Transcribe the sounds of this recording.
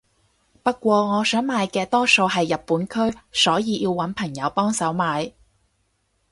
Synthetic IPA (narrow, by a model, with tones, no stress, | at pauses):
pɐ˥kːʷɔː˧ŋɔː˨˧sœː˨˥ŋmaː˨˧jkɛː˧t̪ɔː˥so˧wɦɐ˨jːɐ˨t̚pːuː˨˥nkʰɵ˥ɥsɔː˨˥jiː˨˧jiː˧wːɐ˨˥npʰɐ˨˩ŋjɐ˨˧wpɔː˥ŋsɐ˨˥wmaː˨˧j